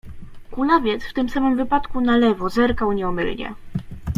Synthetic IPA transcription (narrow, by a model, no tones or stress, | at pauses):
kulavʲjɛt̪sft̪ɘmsamɘmvɘpat̪kunalɛvɔzɛɾkawɲɛɔmɘ̰lɲɛ̰